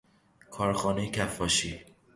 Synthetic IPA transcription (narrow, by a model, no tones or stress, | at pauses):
kʰɒːɾxɒːnejecʰæfːɒːʃi